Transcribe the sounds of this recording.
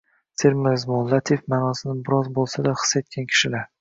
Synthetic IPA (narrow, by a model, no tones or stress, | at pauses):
t̪ʰeɾmɪzmolːat̪ʰefmanɒsɪnɪbɪɾɒzbolˠsad̪aχɨ̥sːet̪̚kʲʰankʲʰɪ̥ʃɪlaɾ